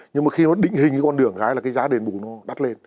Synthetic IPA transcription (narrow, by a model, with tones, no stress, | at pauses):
ɲɨ˧ŋmaː˨˦˩xi˧nɔ˨˦ɗḭ̈˧˨ŋ̟hï˨˩ŋ̟vaː˨˦kɔ˧nɗɨ˧˩əŋɣaː˨˦jlaː˨˩kaː˨˦jzaː˨˦ɗe˨˩nɓu˨˧˩nɔ˨˦ɗa˦˥t̚le˧n